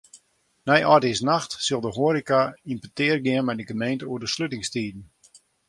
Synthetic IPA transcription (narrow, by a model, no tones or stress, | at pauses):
nɛjɔdɪsnaxtsɪlˠdəɦoəɾikaimpətɪːərɡɪənmɛjdəɡəmejntəuərdəsløtɪŋstiːdn̩